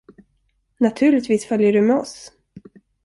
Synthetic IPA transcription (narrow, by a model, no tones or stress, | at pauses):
nat̪ʰʉ̟ːɭɪt̪viːsfœljəɖɵmɛɔs